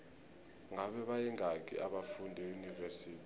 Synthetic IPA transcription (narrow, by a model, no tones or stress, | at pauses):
ŋaɓɛɓajɛŋʱak̬ḭʔaɓafundʱɛjunivɛsiːtʰi̥